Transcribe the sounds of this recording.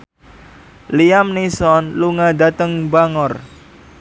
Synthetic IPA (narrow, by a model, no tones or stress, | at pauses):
liamnisɔnluŋad̪a̤t̪əŋbaŋɔr